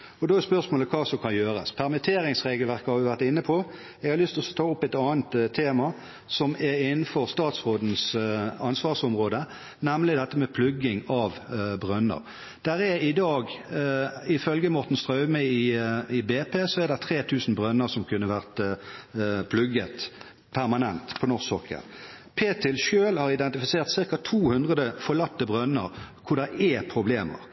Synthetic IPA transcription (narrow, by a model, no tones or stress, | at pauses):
ɔd̪oːɛspœʁsmoːləkʰɑːsɔmkʰɑnjøːʁə̰spʰæʁmɪt̪ʰeːɾɪŋsʁeːɡəlʋæʁkəhɑʋɪʋæʁt̪ɪnːəpʰɔ | ɛɡhɑʁlʏst̪lɔsɔt̪ʰɑːʊpːɛɪt̪ɑːnt̪t̪ʰːeːmɑ | sɔmɛɾɪnənfɔʁst̪ɑːt̪sʁoːd̪n̩sɑnsʋɑːʁsɔmʁoːd̪ə | næmlɪd̪ɛt̪ːəmɛpʰlʉɡɪŋɑʋbʁœnːə̰ʁ | d̪̥æɾɛɾɪd̪ɑːɡ | ɪfœlɡəmɔʁt̪n̩st̪ʁœʏməɪɪbeːpeːsɔæʁd̪ɛʁt̪ʰʁeːt̪ʰʉːsn̩bʁœnːəʁsɔmkʰʉnːəʋæʁt̪ | pʰlʉɡət̪ | pʰæʁmɑnɛnt̪pʰɔnɔʁsɔkːə̰n | pʰeːt̪ʰɪlʃøːlhɑʁɪd̪ɛnt̪ɪfɪseːʁt̪sɪʁkɑt̪ʰuːhʉnd̪ʁəd̪əfɔʁlɑt̪ːəbʁœnːəʁkʰʊd̪ɛɛpʰʁʊbleːmə̰ʁ